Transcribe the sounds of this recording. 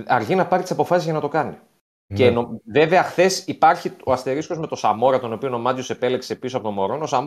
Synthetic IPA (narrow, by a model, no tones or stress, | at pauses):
ɐɾʝinɐpɐɾit̪i̥sɐpo̞fɐsizʝɐnɐt̪o̞kɐni | cenove̞ve̞ɐxθe̞sipɐɾçioɐst̪e̞ɾiskozme̞t̪o̞sɐmo̞ɾɐt̪o̞no̞pio̞no̞mɐt̪jo̞se̞pelekse̞pisoɐpo̞t̪o̞mo̞ɾo̞no̞sɐm